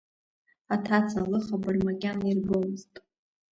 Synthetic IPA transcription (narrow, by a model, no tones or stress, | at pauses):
atʰat͡sʰalɨχabarʲmakʲʼanairɡomztʼ